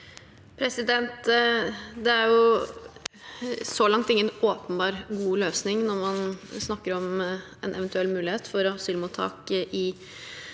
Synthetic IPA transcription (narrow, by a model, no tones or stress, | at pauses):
pʰɾɛsɪd̪ɛnt̪ | d̪ɛæɾjʊ | sɔlɑŋt̪ɪŋːənoːpənbɑːɾɡuːløːsnɪŋnɔɾmɑnsnɑkːəɾɔm | ɛnɛʋɛnt̪ʉɛlːmʉːlɪheːt̪fɔɾɔhsʏːlmʊt̪ʰːɑ̰ːkʔɪ